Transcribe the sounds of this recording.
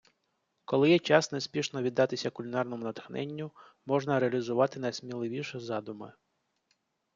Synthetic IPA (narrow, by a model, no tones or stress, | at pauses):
kɔlˠɪjɛt͡ʃɑsnesʲpʲiʃnɔʋʲid̪ːɑt̪ɪsʲɐkʊlʲinɑrnɔmʊnɐt̪xnɛ̰nʲːʊ | mɔʒnɐɾeɐlʲizʊʋɑt̪ɪnɐjsmʲilˠɪʋʲiʃɛzɑd̪ʊmɪ